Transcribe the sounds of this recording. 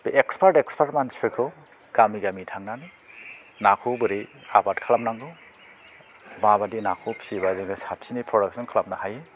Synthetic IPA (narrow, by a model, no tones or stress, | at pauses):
ekspʰaɾtekspʰaɾtmanspʰiɾkʰɯ | ɡ̥amiɡamitʰaŋnanɯ | nakʰubɯɾea̰batkʰalamnaŋɡɯ | babadinakʰupʰi̥sibazɯŋɯsap̚sinipʰɾɔdak̚sɔnkʰalap̚nahaje